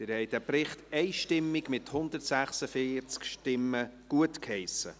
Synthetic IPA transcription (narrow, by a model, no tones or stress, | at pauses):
dɪɾhɛɪdæpɾɪχtɛɪʃtɪmːɪɡmɪthʊnd̪ərtsæχsəfiːt͡skʃtɪmːəɡ̥uətkhɛɪsə